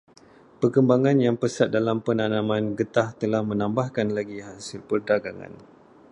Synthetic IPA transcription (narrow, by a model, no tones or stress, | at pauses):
pərkəmbaŋãnjaŋpəsat̪̚dalampənanãmãnɡət̪aht̪əlahmə̃nãmbahkanlaɡiɦasɪlpərdaɡaŋa̰n